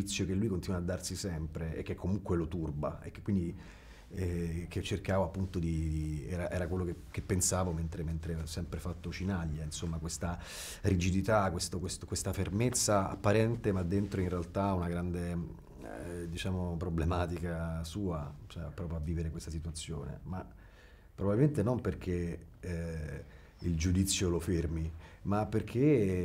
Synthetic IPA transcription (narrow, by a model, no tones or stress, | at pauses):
it̪sːjokelːujkont̪inwaːd̪ːarsisɛmpɾeḛkːekʰːomuŋkwelot̪urbaekːekːwind̪i | ɛket͡ʃːerkaːvoapːunt̪od̪iɛɾaʔɛːɾakwelːoke | kepːensaːvoment̪ɾement̪ɾesɛmpɾefat̪ːot͡ʃinaʎːainsomːakwest̪a | rid͡ʒid̪it̪akwest̪okwest̪okwest̪afermet̪sːaa̰pːaɾɛnt̪emad̪ːent̪ɾoinrealt̪aunaɡɾand̪e | d̪it͡ʃaːmopɾoblemaːt̪ikasuːat͡ʃɛapːɾɔːp̬ɾjoavːiːveɾekwest̪asit̪uat̪sːjoːnḛma | pːɾobabilment̪enomperk̟ʰe | ild͡ʒud̪it̪sːjolofermimapːerkʰe